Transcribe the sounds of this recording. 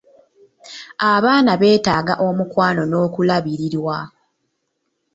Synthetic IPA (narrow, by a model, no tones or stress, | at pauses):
aβaːnaβe̞ːtaːɡaʔo̞mukwaːno̞no̞ːkulaβiɾiɾwa